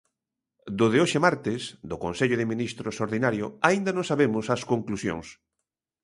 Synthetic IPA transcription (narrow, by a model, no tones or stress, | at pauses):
d̪oðeoʃemaɾt̪ɪsd̪okonseʎʊðɪmĩnist̪ɾosoɾðinaɾjoaind̪anõŋsaβemʊsɐskoŋklusjo̰ŋs